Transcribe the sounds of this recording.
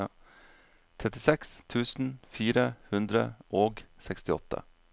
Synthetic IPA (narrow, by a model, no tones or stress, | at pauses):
t̪ʰɾɛt̪ɪsɛkst̪ʰʉːsn̩fiːɾəhʉnd̪ɾə̰ʔoːɡsɛkst̪ɪɔ̰t̪ʰːə̰